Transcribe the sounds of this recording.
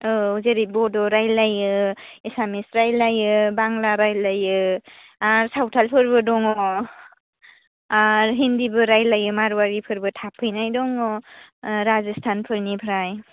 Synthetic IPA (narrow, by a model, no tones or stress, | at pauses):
ɯuzeɾibɔdɔɾajlajɯesamisɾajlajɯbaŋlaɾajlajɯ | aɾsawtʰalpʰɯɾbɯdɔŋɔ | aɾɦindibɯɾajlajɯmaɾwaɾipʰɯɾbɯtʰapʰɯjnajdɔŋɔ | ɾazestʰanpʰɯɾnipʰɾaj